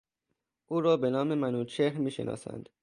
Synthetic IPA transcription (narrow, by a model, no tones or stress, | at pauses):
ʔuːɾɒːbenɒːme̞mænuːt͡ʃʰehɾmiːʃḛnʔɒ̰ːsæ̰nd̪̥